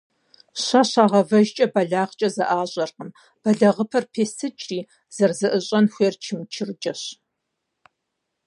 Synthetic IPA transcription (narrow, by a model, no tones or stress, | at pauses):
ɕaɕaːʁɐvɐʒt͡ʃʼɐbɐɮaːʁt͡ʃʼɐzɐʔaːɕʼɐrqəm | b̥ɐɮɐʁəpʰɐrpʰeːstʰɨt͡ʃʼriː | z̥ɐrzɐʔɨɕʼɐnxʷeːrt͡ʃʰɪmt͡ʃʰɪrd͡ʒʼɐɕ